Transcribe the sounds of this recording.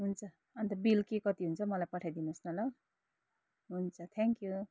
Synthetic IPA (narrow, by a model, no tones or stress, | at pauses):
ɦunt͡sʰʌ | ʌnt̪ʌbilkekʌt̪iɦunt͡sʰʌmʌlajpʌʈʰajd̪inusnʌla | ɦunt͡sʰʌt̪ʰeŋkju